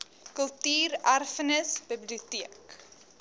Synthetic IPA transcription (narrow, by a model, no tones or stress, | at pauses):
kəlˠtyːɾærfənəsbibliutiək